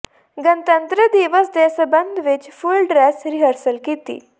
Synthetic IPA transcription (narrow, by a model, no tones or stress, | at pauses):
ɡənt̪ənt̪ɾəd̪iʋəsd̪esəbənd̪ʱʋet͡ɕfulɖɾesɾiɦəɾsəlkit̪ḭː